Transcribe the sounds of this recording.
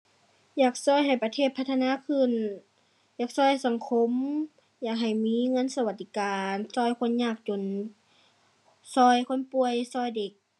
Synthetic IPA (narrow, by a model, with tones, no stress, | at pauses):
jaː˨˩k̚sɔː˧˩˨jɦa˨˩jpa˧t̪ʰeː˧˩t̪̚pʰa˧˥t̪ʰːnaː˧˥˨kʰɯ˧˩˨n | jaː˨˩k̚sɔː˧˩˨jsa˨˦ŋkʰo˧˥˨m | jaː˨˩k̚ɦa˨˩jmiː˧˥˨ŋɤ˧˥˨nsa˧wa˧t̪̚ːi˧˩kaː˨˩nsɔː˧˩˨jkʰo˧˥˨nɲaː˧˩k̚t͡ɕo˨n | sɔː˧˩jkʰo˧˥˨npu˧əjsɔː˧˩˨jde˨˩k̚